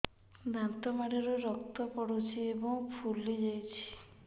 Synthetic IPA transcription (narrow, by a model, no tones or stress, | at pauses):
nant̪ɔmaɾeɾoɾɔk̚t̪ɔpɔɽot͡ʃʰiebɔŋpʰuled͡ʒajt͡ʃʰi̥